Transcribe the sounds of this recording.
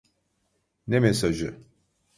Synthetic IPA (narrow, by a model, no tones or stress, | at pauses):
nemesaʒɯ